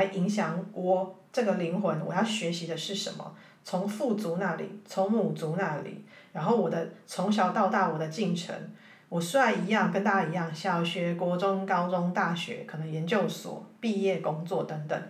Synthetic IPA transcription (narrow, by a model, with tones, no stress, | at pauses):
la˧˥ɪʔi˧˥ŋɕjɑ˨˩ŋwʔɔ˨˩ʈ͡ʂɤ˥˨˩ɡə˨li˧˥ŋxwə˧˦nwɔ̰˨˩jɑ˥˩ʊɕɥɛ˧˥ɕi˧˥d̪ə˧ʂɻ̩˥˩ʂə˧˦nmə̰˨ | t͡sʰo˧˥ŋfu˥˩t͡su˨˧˦na˥˩lḭ˨˩˦t͡sʰo˧˥ŋmu˨˩t͡su˨˧˦na˥˩lḭ˨˩˦ɻa˧˥nxo˥˩ʊwɔ˨˩d̪ə˦t͡sʰʊ˧˥ŋɕ̬jɑ˨˩ʊt̪ɑ˥˧ʊt̪ɑ˥˩ʊwɔ˨˩d̪ə˦t͡ɕi˥˩ŋʈ͡ʂʰə̰˧˥ŋ | wɔ˨˩swa˥˩ɪi˧˥jɑ˥˨ŋkə˧˦nt̪a˥˧i˧˥jɑ˥˩ŋɕjɑ˨˩ʊɕɥɛ˧˥kwɔ˧˥ʈ͡ʂʊ˦ŋkɑ˥ʊt͡sʊ˥˦ŋt̪a˥˩ɕɥɛ̰˧˥˦kʰɤ˨˩nə˧˦ŋjɛ˧˦nt͡ɕjo˥˩ʊswɔ̰˨˩˦pi˥˧jɛ˥˩kʊ˦ŋt͡swɔ˥˩t̪ə˧˥ŋt̪ə˨˩ŋ